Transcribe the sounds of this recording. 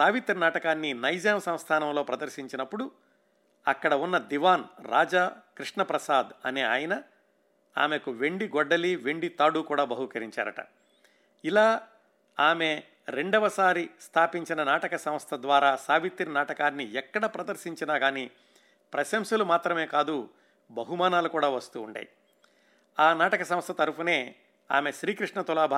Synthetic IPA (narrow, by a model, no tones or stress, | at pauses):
saːʋit̪ɾnaːʈɐkaːnːinɐjd͡ʒaːmsɐwst̪ʰaːnɐmlo̞ːpɾɐd̪ɐɾʃiɲt͡ʃinɐpːuɽu | ɐkːɐɽɐunːɐd̪iʋaːnɾa̰ːd͡ʒakɾiʂɳɐpɾɐsaːd̪ɐ̰neːa̰ːjɐnɐ | a̰ːmekuʋe̞ɳɖiɡɔɖːɐliʋe̞ɳɖit̪aːɽukuːɽaːbɐɦukɐɾiɲt͡ʃa̰ːɾɐʈɐ̰ | ilaː | aːme̞ | ɾeɳɖɐʋɐsaːɾist̪ʰaːpiɲt͡ʃinɐnaːʈɐkɐsɐmɐst̪ʰɐd̪ʋaːɾaːsaːʋit̪ːinɐnaːʈɐkaːnːiɛkːɐɽɐpɾɐd̪ɐɾʃiɲt͡ʃinaːɡaːniː | pɾɐʃɐmsɐlumaːt̪ɾɐme̞ːkaːd̪u | bɐɦumaːnaːlukuːɽaːʋɐst̪ṵːɳɖa̰ːji | aːnaːʈɐkɐsɐmst̪ʰɐt̪ɐɾupune̞ː | a̰ːme̞ʃɾiːkɾiʂɳɐt̪ulaːbʱa